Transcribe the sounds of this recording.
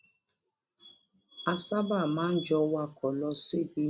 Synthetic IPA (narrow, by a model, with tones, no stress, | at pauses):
a˨sa˦ba˦˨mãː˦n̩˦d͡ʒɔ˦wa˦kɔ˨lɔ˦se˦bi˦